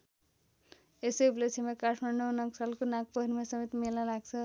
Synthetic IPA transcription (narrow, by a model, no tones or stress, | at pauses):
esejblet͡sʰimekaʈʰmaɳnonʌksalkonãk̚pʌɦiɾmesʌmet̪melnʌlaɡt͡sʰʌ